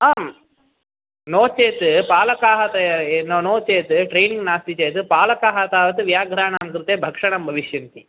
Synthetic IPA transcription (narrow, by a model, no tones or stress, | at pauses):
aːm | noːt͡ʃeːt̪ɨpaːlɐkaːɦɐt̪ɐnonoːt͡ʃeːt̪ɨʈɾeːniŋɡnaːst̪it͡ʃeːt̪ɨpaːlɐkaːɦɐt̪aːʋɐt̪ɨʋjaːɡʱɾaːɳaːmkɾɨt̪eːbʱɐkʂɐɳɐmbʱɐʋiʃjɐnt̪i